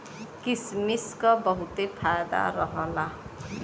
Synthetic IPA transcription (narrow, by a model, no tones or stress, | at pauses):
kismiskɔbʌɦut̪epʰajd̪a̰ɾɔɦɔla